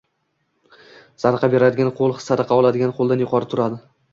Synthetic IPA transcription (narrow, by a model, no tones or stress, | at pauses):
z̥ad̪qʰɑbe̞ɾad̪ɪɡʲanqʰolˠχɨ̥sːad̪ɑqʰɑɒlˠad̪ɪɡʲanqʰolˠd̪anjʊqʰɒɾɪt̪ʰʊɾad̪ɪ